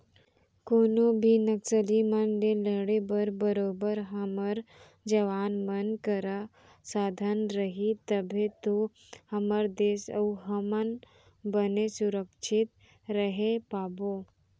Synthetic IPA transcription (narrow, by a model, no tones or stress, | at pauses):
konobʱinəksəlimənleləɽebəɾbəɾobəɾɦəməɾ | d͡ʒəʋanmənkəɾa | sad̪ʱənɾəɦit̪əbʱẽt̪o | həməɾd̪esə̰wɦəmən | bənesuɾəkʃʰit̪ | ɾəɦepabo